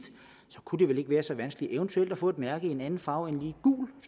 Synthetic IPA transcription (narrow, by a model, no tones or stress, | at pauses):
d̥ | sɒ̽kʰud̥e̝ʋele̝ɡ̥ʋæːɐsɒ̽ʋænsɡ̥əliʔeʊnt͡sʰuel̰d̥ɒfɔ̰̽ːe̝d̥mæɐɡ̥əienænn̩fɑ̈ʊenliːɡ̥ṵːl